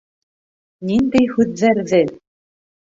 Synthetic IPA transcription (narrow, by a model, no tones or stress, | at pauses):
nind̪ɘjxʉððæɾðɘ